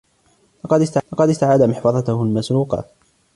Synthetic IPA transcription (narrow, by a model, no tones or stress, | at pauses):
lɑqɑd̪ɪst̪alɑqɑd̪ɪst̪aʕaːd̪amɪħfɑðˤɑt̪ʊhʊlmasɾuːqɑ̰